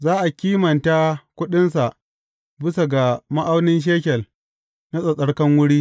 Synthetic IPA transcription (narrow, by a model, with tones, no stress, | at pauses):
zaː˦ʔa˨kʲiː˦mɐ˨nta˦kʷʊ˦ɗɪ˦ns̬a˨ʔ | bɪ˦sa˨ɡa˨ma˦ʔa˦wnɪ˦nʃ̬eː˦kʲɛ˨l | na˦sʼɐ˨sʼɐ˦ɽkɐ˦ŋwʊ˦ɽiː˦